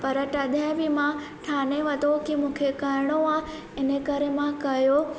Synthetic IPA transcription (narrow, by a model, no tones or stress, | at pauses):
pɐɾəʈɐd̪ʱãbɪmã | ʈʰaːneʋɐt̪okimũːkʰekɐɾɪɽ̃oãː | ɪnəkɐɾemãkɐjoː